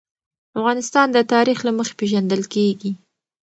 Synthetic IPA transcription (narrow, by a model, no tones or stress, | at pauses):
afɣɑnɪst̪ɑnd̪ət̪ɑɾixlaməxe̥peʒand̪əlkeɡi